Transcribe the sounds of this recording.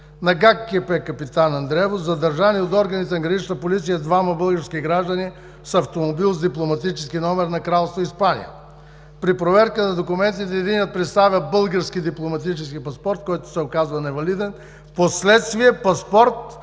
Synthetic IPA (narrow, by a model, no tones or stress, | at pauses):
nɐɡakːiəpɛkɐpit̪anɐnd̪ɾɛvozɐd̪ɐɾʒaniot̪ɔɾɡɐnit̪ɛnɐɡɾɐnit͡ʃnəpolit̪sijəd̪vamɐbɤlˠɡəɾskiɡɾaʒd̪əni | sɐft̪omobilˠzd̪iplˠomɐt̪it͡ʃɛskinɔmɛɾnɐkɾalˠst̪voispanḭjə̰ | pɾipɾovɛɾkənɐd̪okʊmɛnt̪it̪ɛːd̪iniət̪̚pɾɛt̪st̪avʲjəbɤlˠɡəɾskid̪iplˠomɐt̪it͡ʃɛskipɐspɔɾt̪kɔjt̪ʊ̥sɛokazvɐnɛvɐlid̪ɛn | poslɛt̪st̪viɛpɐspɔɾt̪̚